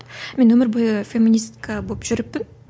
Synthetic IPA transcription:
mʲe̞nwɵmɪɾbojəfʲemʲinist̪kʰabolˠəpʒ̥ʏɾɪpːɪn

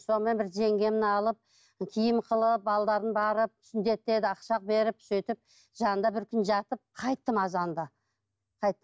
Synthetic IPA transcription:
so̞nəmenbɪɾʒe̞ŋɡʲe̞mɪnɑlˠəp̚ | kʲʰijɪmqʰəlˠəp̚bɑlˠd̪ɑɾənbɑɾəp̚t̪ʰsɪnd̪e̞t̪ɪed̪ɪɑqʃɑq̚be̞ɾɪp̚t̪ʰset̪ɪp̚ | ʒɑnənd̪ɑbɪɾkʲʰʏnʒɑt̪əp̚qʰɑjt̪ːəmɑzɑnd̪ɑ | qʰɑjt̪ːə

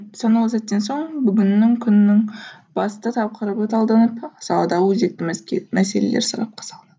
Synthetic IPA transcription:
sɑnɑwˠsɑt̪ːe̞nso̞ɴbʏɡʲɪnːɪŋkʲʰʏnnːɪŋ | b̥ɑst̪ɑt̪ʰɑp̚qəɾəpɑt̪ʰɑlˠd̪ɑnəpsɑlˠɑd̪ɑwɵzd̪e̞k̚t̪ːɪmʲmæse̞lḛlḛɾsɑɾɑ̰p̚qʰɑ̥sɑlˠɑnɑ̥

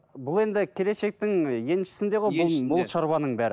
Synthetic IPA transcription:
bʊlˠe̞nd̪ɪkʲʰe̞le̞ʃe̞k̚t̪ɪŋje̞nmʃɪ̥sɪnd̪e̞ʁojbʊbʊlˠʃɑɾβɑnəɴbæɾɪ

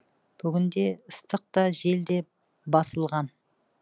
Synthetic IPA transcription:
b̥ʏɡʲɪnd̪e̞əst̪əq̚t̪ɑʒe̞ld̪e̞ | bɑsəlˠʁɑn

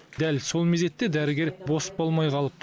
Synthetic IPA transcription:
d̪̥ælso̞lˠmeze̞t̪ːe̞d̪æɾɪɡʲe̞ɾbo̞sə̥polˠmɑjqʰɑlˠəp̚t̪

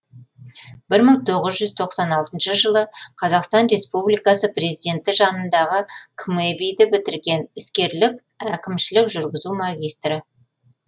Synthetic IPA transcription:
b̥ɪɾməɴt̪ʰo̞ʁəzʒʏzt̪ʰo̞qsɑnɑlˠt̪ənʃəʒəlˠəqʰɑzɑqst̪ɑnre̞spublijkɑsəpre̞zid̪ʲe̞nt̪ɪʒɑnənd̪ɑʁəkʰmebijd̪ɪbɪt̪ɪɾɡʲe̞nɪskʲe̞ɾlɪk̚ʲ | ækʲɪmʃɪlɪkʒʏɾɡʲɪzumaɡʲijst̪rə

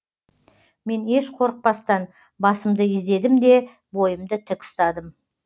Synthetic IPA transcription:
me̞ne̞ʃqʰo̞ɾəq̚pɑst̪ɑn | bɑsəmd̪əɪzd̪e̞d̪ɪmd̪e̞ | bo̞jəmd̪ət̪ʰɪkʊ̥st̪ɑd̪əm

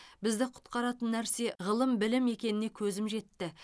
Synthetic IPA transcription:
bɪzd̪ɪqʰʊ̥t̪qɑɾɑt̪ənːæɾse̞ʁəlˠəmbɪlɪme̞kʲe̞nɪne̞kʲʰɵzɪmʒe̞t̪ːɪ

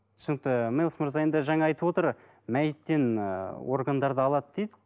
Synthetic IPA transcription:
sənək̚t̪əmijlˠsmʊɾzɑjend̪əʒɑŋɑɑjt̪əbwo̞t̪əɾ | mæjɪt̪ːe̞nwo̞̰ɾɡand̪ɑɾd̪əɑlˠɑd̪əd̪ejd̪ɪ

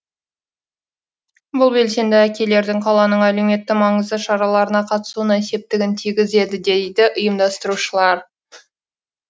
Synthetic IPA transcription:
bʊlˠbe̞lse̞md̪ɪækʲe̞le̞ɾd̪ɪŋqʰɑlˠɑnəɴæleme̞t̪ːɪmɑɴəzd̪əʃɑɾɑlˠɑɾənɑqʰɑt̪ə̥suənəese̞p̚t̪ɪɡʲɪnt̪ʰijɡʲɪze̞d̪ɪd̪e̞jd̪ɪʔʊjəmd̪ɑst̪əɾuʃəlˠɑɾ

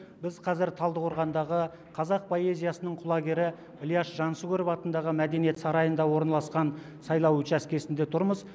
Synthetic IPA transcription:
bɪzqʰɑzɪɾt̪ʰɑlˠd̪əqʰoɾʁɑnd̪ɑʁə | qʰɑzɑq̚pʰo̞e̞zijɑsənəɴqʰʊlˠɑɡʲe̞ɾɪ | lijɑʃʒɑnsuɡʲeɾofɑt̪ənd̪ɑʁəmæd̪e̞nije̞t̪sɑɾɑjənd̪ɑwo̞ɾnɑlˠɑsqɑn | sɑjlˠɑwɵt͡ʃæskʲe̞sɪnd̪e̞t̪ʰʊɾməz

